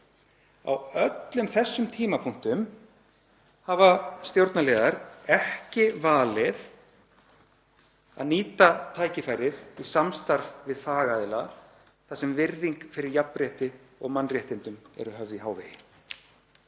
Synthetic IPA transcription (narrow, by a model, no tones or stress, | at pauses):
a̰wœt̪lʏmθɛsːʏmt̪ʰiːmapʰuŋ̥t̪ʏm | havast̪jowɾt̪nalɛːðaɾɛhcɪvaːlɪð | a̰ðniːt̪at̪ʰaːjcɪfajɾɪðisamst̪aɾvvɪðfaːɣaːðɪla | θasɛmvɪɾðiŋkfɪɾɪɾjapnrjɛht̪ɪ | ɔɣmanːrjɛht̪ɪnt̪ʏmɛ̰ɾʏɦœvðiɦaːwvɛjɪ